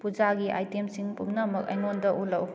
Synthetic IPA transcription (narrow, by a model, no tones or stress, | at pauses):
pud͡ʒaɡiʔa̰jtemsiŋpumnɐmɐk̚ɐ̰jnondɐʔulɐw